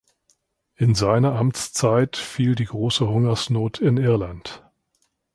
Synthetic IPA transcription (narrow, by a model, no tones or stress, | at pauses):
ʔɪnzaɪnɐʔamt͡st͡saɪtfiːldiːɡʁoːsəhʊŋɐsnoːtʰɪnʔɪɐlant